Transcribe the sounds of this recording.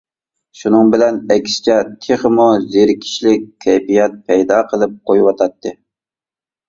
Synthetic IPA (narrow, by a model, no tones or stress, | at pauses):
ʃunɨŋbɪlɛnɛkʲsɪ̥t͡ʃʰɛt̪ʰeχəmuzeɾkʲʰi̥ʃlɪk̚ʲʰːɛjpijɛt̪̚pʰɛjd̪ɑːqʰəlˠɨp̚qʰojwɑt̪ʰɑt̪ʰːɨ